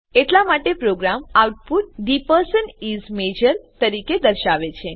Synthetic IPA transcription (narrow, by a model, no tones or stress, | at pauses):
eʈlamaʈepɾoɡɾamawʈ̚put̪̚ɖipəɾsənizmed͡ʒəɾt̪əɾiked̪əɾʃaʋet͡ʃʰe